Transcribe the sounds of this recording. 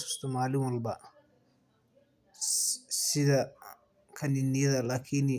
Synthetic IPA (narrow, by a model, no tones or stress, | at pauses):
su̥st̪ʰɔmaːlɪŋwɐlbɐ | sɪðɐ | kʰɐnɪnːɪjɐðɐlaːkʰɪn